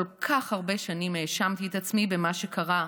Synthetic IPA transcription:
lkʰaχhaʁbe̞ʃanimeːʃamt̪iet̪at͡smibemaʃe̞kʰaʁa

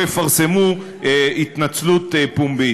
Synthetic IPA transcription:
jefaʁse̞mu | it̪nat͡slut̪pumbi

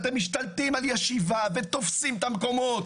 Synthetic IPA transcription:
t̪emːiʃt̪alt̪imaljeʃivavet̪o̞fsimt̪amko̞mo̞t̪

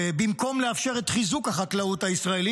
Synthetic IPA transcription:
bimko̞mleafʃe̞ʁet̪χizukhaχaklauthaisʁaeli

